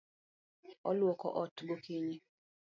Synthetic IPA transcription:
ɔlwɔkɔ̰ʔɔtɡokiɲi

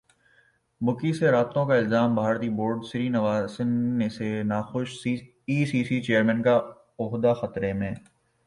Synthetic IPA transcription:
bʊkiseɾaːt̪õkaɪlzaːmbʱaːɾt̪iboːɾɖsɪɾinɐʋaːsɪnːesenaːxʊʃ | iːsiːsit͡ʃeːəɾmɛ̃nka | ɔɦd̪axɐt̪ɾemẽː

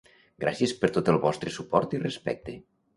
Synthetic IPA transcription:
ɡɾa̰sjəspəɾt̪ot̪əlˠβɔst̪ɾəsupɔɾt̪irespɛ̰k̚t̪e

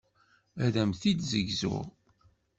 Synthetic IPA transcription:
æðæmθid̪zəʝzʊ̰ʁ

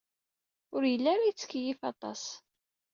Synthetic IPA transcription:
ʊɾjəlːaɾajt͡sːə̥kːjifɑt̪ˤɑ̰s

